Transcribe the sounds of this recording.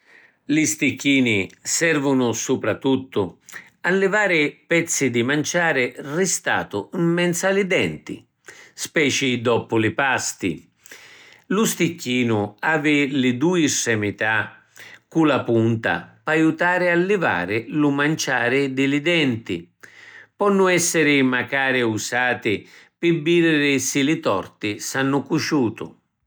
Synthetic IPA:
lɪst̪ikːiːnisɛrvʊnʊsupɾat̪ːut̪ːʊ | alːɪvaːɾɪpɛt̪sːid̪imant͡ʃaːɾɪrɪst̪a̰ːt̪ʊimːɛnt̪salɪd̪ɛnt̪ḭ | spɛːt͡ʃid̪ɔpʊlɪpast̪ḭ | lʊst̪ikːiːnʊaːvɪlɪd̪uːisːɛmɪt̪a | kːulapunt̪a̰pajut̪aːɾɪalːɪva̰ːɾɪlʊmant͡ʃaːɾɪd̪ɪlɪd̪ɛnt̪ɪ | pɔnːʊɛsːɪɾɪmakaːɾɪusaːt̪ɪpɪbːiːɾɪɾɪsɪlɪt̪ɔ̰rt̪ɪsanːʊkut͡ʃuːt̪ʊ̰

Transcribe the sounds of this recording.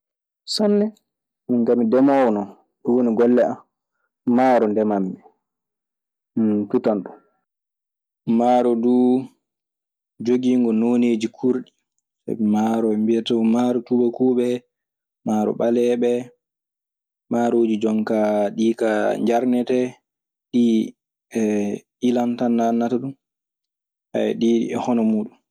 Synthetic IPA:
sɔnːɛ | miŋɡamidɛmɔwnɔ | ɗɔwoniɡɔlːɛamː | aːɾɔndɛmamːɛ | mintutanɗum | maːɾɔdu | d͡ʒoɡiŋɡɔnoːneːd͡ʒikʰuɾɗi | sa̰bɛmaɾɔɛmbiɛtamaɾɔtubakuɓɛ | maɾɔ̰ɓalɛɓɛ | maɾoːd͡ʒid͡ʒɔŋkaɗikaɲd͡ʒaɾnɛtɛ | ɗi | ɛ | ilantanːanːataɗun | a̰ɛ̰ɗiɛhɔnɔmuːɗum

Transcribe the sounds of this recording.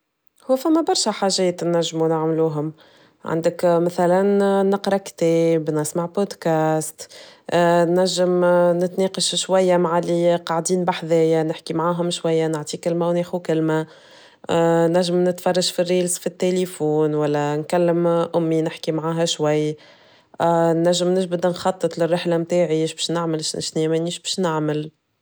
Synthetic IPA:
hʊwːfæmːæbɑɾˤʃæħaːʒɛːt̪næʒːmunɪʕmluːɦʊm | ʕa̰nd̪ɪkmæθælænːɪqɾˤɑkt̪ɛːbnɪsmaʕbod̪kæːst̪ | næʒːəmnɪt̪neːqɑʃʃwæjːamaʕaliqɑʕd̪iːnbaħðɛːjænɪħkimʕaːɦʊmʃwæjːanɪʕt̪ˤikɪlmæwnɛːxukɪlmæ | næʒːɪmnɪt̪fɑrˤːɑʃfirːiːlsfit̪ːelefuːnwælːænkælːəmʔʊmːinɪħkimʕaːɦæʃwajː | nːæʒːəmnɪʒbɪd̪nxɑt̪ˤːɨt̪ˤlɪrːɪħlæmt̪aːʕiʃbɛːʃnɪʕmɪlʃʃnimæniːʃbɛːʃnɪʕmɪl

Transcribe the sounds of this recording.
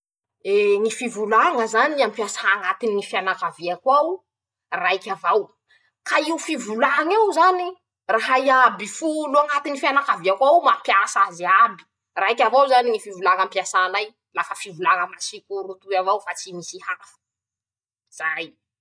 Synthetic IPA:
eŋifivulaŋəzaniampjasaːŋat̪inːifianakaviakwaw | rajkʲavaw | kaiufivulaŋawzani | raɦaiabifuloaŋat̪inifianakaviakʷawmapjasaziabi̥ | rajkʲavawzaniŋifivulaŋampjasanaj | lafəfivulaŋəmasikuɾut̪uavawfat͡simisihafə̥ | z̥aj

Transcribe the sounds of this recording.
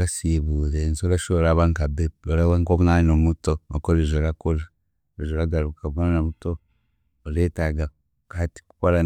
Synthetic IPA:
ɾasiβuzensoɾaʃoɾaβaŋkabeoɾaβaŋkoβunanomutookoɾeʒoɾakola | eʒoɾaɡaɾukaβunanomutoː | ɾetaɡa | kati̥ku̥koɾa

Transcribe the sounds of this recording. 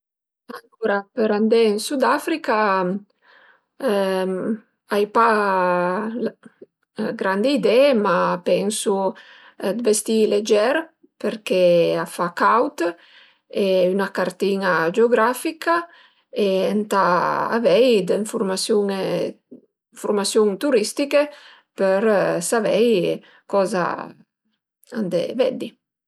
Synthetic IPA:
aŋkuɾapeɾand̪ɛinsud̪afɾika | ajpa | ɡɾand̪eid̪ɛmapɛnsu | d̪vest̪iled͡ʒɛɾ | peɾkeafakawt̪ | eynakaɾt̪inad͡ʒeoɡɾafika | eɛnt̪aa̰vɛjd̪eɱfuɾmasjuŋ | ɱfuɾmasjuŋt̪uɾist̪ike | peɾsavɛj | kɔza̰ | a̰nd̪ḛvɛ̰d̪i

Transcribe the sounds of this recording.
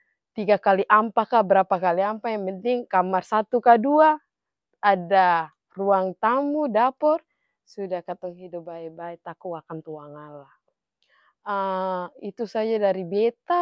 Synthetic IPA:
t̪iɡakaliʔampakabəɾapakaliampajaŋmɛnt̪iŋkamarsat̪ukaduaː | da | ruaŋt̪amudapɔr | sudahkat̪ɔŋɦidup̚baɛbaɛt̪akuakant̪uaŋanlah | ait̪usad͡ʒadaɾibɛt̪a

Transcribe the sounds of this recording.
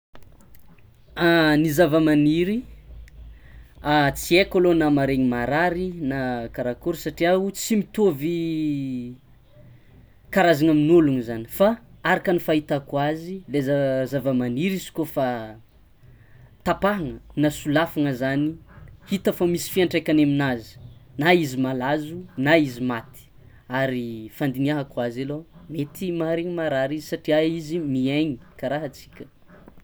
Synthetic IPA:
anizavəmaniɾi | at͡siekolonamaɾeɲimaɾaɾinakaɾakuɾsaʈ͡ʂiaut͡simit̪ovi | kaɾazaŋaminuluŋizanifaaɾakənifait̪akwazilezazavəmaniɾizi̥kofa | t̪apaɦaŋənasulafaŋəzanihit̪əfamisi̥fiaɳʈ͡ʂajkanaminazi̥naizimalazunaizimat̪i̥ | aɾifand̪iniaɦakwazalomet̪imaɾeŋəmaɾaɾizisaʈ͡ʂiaizimiaɲi̥kaɾaɦat͡si̥kʲə̥

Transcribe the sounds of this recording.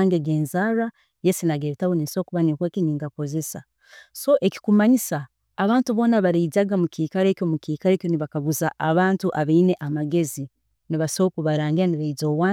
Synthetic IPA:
ŋɡeɡeːnzaɾa | jesinaɡeɾetawoniso̞ːkuβaniŋkweːkiɲiːŋɡako̞ze̞sa̰ | so̞ʔe̞ki̥kumaɲisaː | βaːntuβo̞ːnaβaɾezaɡamukiːkaɾe̞ːkʲjo̞mukiːkaɾeːkʲjo̞niβakaɡuzaʔːβaːntuʔaβeine̞ʔamaɡe̞zi | niβasokuβaɾaːŋɡiɾaniɾezo̞ːwaː

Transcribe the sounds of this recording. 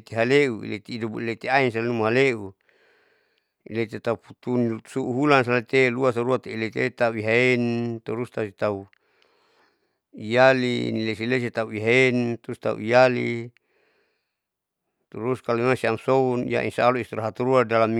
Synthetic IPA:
t̪eɦaleʔuḭlet̪iːdubuilet̪eains̬alenumaɦaleʔu | ḭlet̪et̪auput̪unsuʔuɦulans̬alat̪eluas̬aɾuat̪eilet̪et̪auiɦaent̪uɾust̪ausit̪au | ijalḭnilesiles̬it̪auiɦaent̪uust̪a̰ṵijali | t̪uɾuskaluimasiamsounija̰ʔḭnsaluist̪iɾaɦat̪uɾuadalam

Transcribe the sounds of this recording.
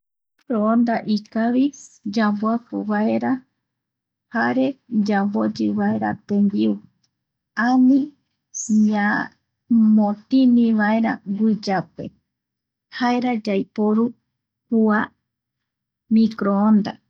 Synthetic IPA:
kɾoond̪aʔikaβid͡ʒamboapuwaeɾa | haɾe̞d͡ʒambod͡ʒɨβaeɾa̰t̪ẽmbiu | ãnĩ | ɲa | mõt̪ĩnĩʋaeɾa̰ɡɨd͡ʒapḛ | haeɾad͡ʒajpoɾu | hua | mĩkɾoond̪a̰

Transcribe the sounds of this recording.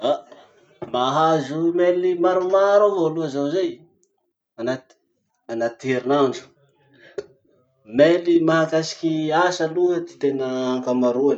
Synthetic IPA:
a | maɦazumelimaɾumaɾovoluəzawzej | anat̪i̥ | anat̪eɾinaɳɖ͡ʐu̥ | melimaɦakasi̥kʲiasaluɦət̪i̥t̪enəakamaɾuan

